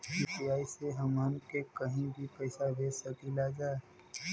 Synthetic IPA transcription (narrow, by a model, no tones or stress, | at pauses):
siːʈiaːiseɦɐmaːnkekəɦĩbʱipɛɪsabeːsəkilad͡ʒaːe